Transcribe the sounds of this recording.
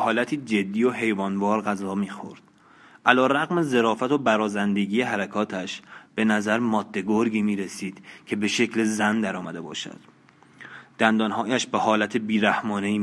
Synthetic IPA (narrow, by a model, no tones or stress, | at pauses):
hɒːlæt̪ʰiːd͡ʒe̞d̪ːiːjoɦe̞jvɒːnvɒːɾɣæzɒːmiːxo̰ɾd̪̥̚ | ʔælɒːɾæɣme̞ze̞ɾɒːfæt̪ʰo̞bæɾɒːzænd̪e̞ɟiːjeɦæɾækʰɒːt̪ʰæʃb̥e̞næzæɾmɒːd̪̥ːe̞ɡoɾɡiːmiːɾesiːd̪̥cʰe̞be̞ʃe̞cle̞zænd̪æɾɒːmæd̪e̞bɒ̰ːʃæ̰d̪̥ | d̪̥ænd̪ɒːnhɒːjæʃbe̞hɒːlæt̪ʰebiːɾæhmɒːne̞iː